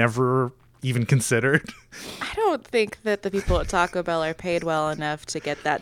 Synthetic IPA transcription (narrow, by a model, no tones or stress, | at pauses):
ɛvə˞ | ivɨ̃nkɨ̃nsɪɾə˞d̥aɪɾõʊ̃nθɪ̃ŋk̚ðɨt̪̚ðɨpipl̩ˠðətʰɔkəbaʊɾə˞pʰeɪd̚wɛlˠənʌftʰɨɡɛt̪̚ðɨt̚